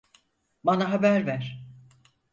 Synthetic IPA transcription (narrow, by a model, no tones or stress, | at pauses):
banaɦabæɾvæɾ̥